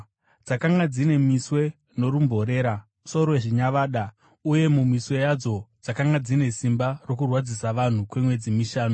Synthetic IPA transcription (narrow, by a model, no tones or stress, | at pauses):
d͡zakaŋɡad͡zine̞miswe̞ | no̞ɾumbʱoɾe̞ːɾa | so̞ɾoeʐiɲaʋaːɗa | uje̞mumiswe̞jad͡zo̞d͡zakaŋɡad͡zine̞simbaro̞kurwad͡zisaʋan̤ukwe̞mwe̞d͡zimiʃaːno